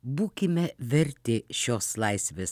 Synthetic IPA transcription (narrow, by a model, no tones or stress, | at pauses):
buːkʲɪmʲɛʋʲɛɾʲt̪ʲɪʃʲoːslˠɐɪsʲʋʲeːs